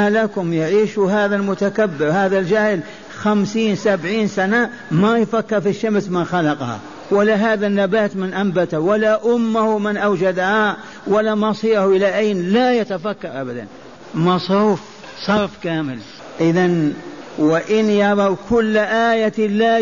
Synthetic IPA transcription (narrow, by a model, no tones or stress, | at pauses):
lakʊmjɪʕiːʃuɦaːðalmʊt̪akabːɪɾhaːðald͡ʒahl | xamsiːnsabʕiːnsana | majfakːɪɾfiʃːamsmanxalɑqɑha̰ | walːaɦaːðanːabaːt̪mɪnʔambat̪awalaʔʊmːʊhʊmɪnʔawd͡ʒad̪aha | walːamɑsˤiːhʔɪlaʔajnlajat̪afakːɑɾˤʔabad̪a̰n | mɑsˤɾuːf | sˤɑɾˤfkaːmɪl | ʔɪðanwɪʔɪnjɑʕɾˤɑwkʊlːʔaːjala